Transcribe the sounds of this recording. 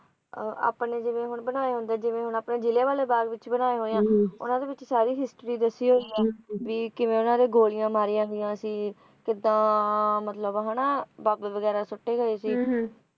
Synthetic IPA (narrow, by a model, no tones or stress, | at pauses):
a̰ːpneːd͡ʒɪʋẽːɦʊɳbənaːeːɦʊ̃nd̪eɛːd͡ʒɪʋẽːɦʊɳaːpneːd͡ʒɪleːʋaːleːbaːɾɡʋɪt͡ʃbənaːeːɦoːejãːʊ̰nãːd̪eːʋɪt͡ʃsaːɾiːɦɪsʈɾiːd̪əsːiːɦoːiːɛːʋiːkɪʋẽːʊnãːd̪eːɡoːlɪjãːmaːɾiːãːɡɪjãːsĩː | kɪd̪ãːmət̪ləbɦanaːbaːbʋəɡɛːɾaːsʊʈːeːɡəeːsiː